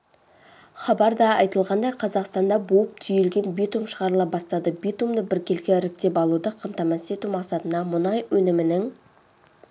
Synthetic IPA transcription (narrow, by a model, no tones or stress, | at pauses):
χɑbɑɾd̪ɑɑjt̪əlˠʁɑnd̪ɑjqʰɑzɑqst̪ɑnd̪ɑbuəp̚t̪ʰʏjelɡʲe̞nbit̪umʃəʁɑɾlˠɑpbɑst̪ɑd̪əbijt̪umd̪əbɪɾkʲe̞lkʲeɾɪk̚t̪e̞pɑlˠud̪əqʰəmt̪ɑmɑse̞t̪umɑqsɑt̪ənd̪ɑmʊnɑjwɵnɪmɪnɪŋ